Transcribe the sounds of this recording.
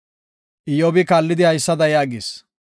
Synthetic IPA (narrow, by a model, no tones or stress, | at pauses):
ʔɪjɔbɪkaːlːɪd̪ɪhɐjsːɐd̪ɐjaːɡɪs